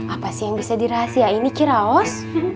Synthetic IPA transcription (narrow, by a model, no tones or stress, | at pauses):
apasijaŋbisadiɾaɦasiainikiɾaɔs